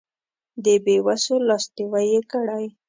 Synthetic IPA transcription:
d̪əbewasolɑst̪iwajekəɽaj

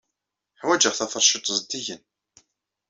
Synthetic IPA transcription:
ħwæd͡ʒəʁθæfəɾˤʃət̪ˤːzˤd̪ːiʝən

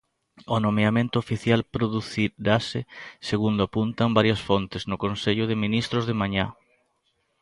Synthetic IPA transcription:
onomeamẽnt̪ʊofiθjalpɾoðuθiɾasɪseɣund̪ʊapunt̪ɐmbaɾjɐsfont̪ɪznʊkonseʎʊðɪminist̪ɾʊzðemaɲa

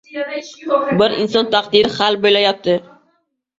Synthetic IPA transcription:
bɪɾɪnsɒnt̪ʰaqd̪ɪɾɪχalbojlajap̚t̪ʰɪ

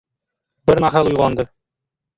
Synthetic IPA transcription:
bɘɾmæχælˠujʁɑnd̪ɤ

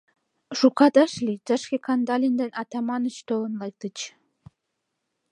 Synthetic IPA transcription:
ʃukɑt̪ɑʃlʲit̪ə̆ʃkʲekɑnd̪ɑlʲind̪enɑt̪ɑmɑnə̆t͡ɕt̪olɤ̆nlˠɑjk̚t̪ə̆t͡ɕ

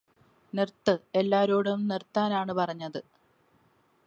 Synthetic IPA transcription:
nirt̪ːɨe̞lːaːɾoːɽumnirt̪ːaːnaːɳɨpɐrɐɲːɐðɨ

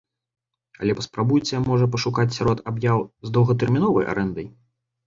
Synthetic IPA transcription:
ɐ̰lʲɛpɐspɾabujt͡sʲɛmɔʐɐp̬ɐʂukat͡sʲsʲaɾɔt̪abjawzd̪ɐwɣɐt̪̬ɛrmʲinɔvɐja̰ɾʔɛnd̪ɐj

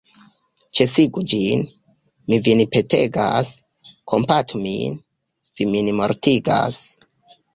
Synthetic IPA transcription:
t͡ʃe̞siɡud͡ʒin | mivinipe̞tʰe̞ɡa̰s | kʰo̞mpatumḭn | viminimo̞̰ɾtiɡa̰s

